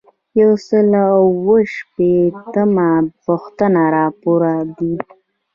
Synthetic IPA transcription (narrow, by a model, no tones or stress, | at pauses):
jawsəlwəʃpet̪əmapʊxt̪ənaɾɑpoɾad̪i